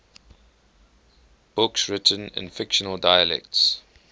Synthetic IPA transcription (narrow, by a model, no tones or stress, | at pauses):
b̥ʊksɹɪtʰə̃nɪ̰̃nfɪkʃənəlˠdaɪəlɛ̰k̚ts